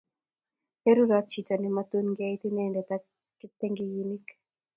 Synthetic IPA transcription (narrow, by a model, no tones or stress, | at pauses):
heɾuɾat͡ʃitanimat̪unŋɡait̪inɛndɛt̪a | kːit̪ɛŋɡijinik